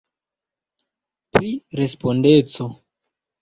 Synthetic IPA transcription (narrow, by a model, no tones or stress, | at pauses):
pɾiɾespondet͡so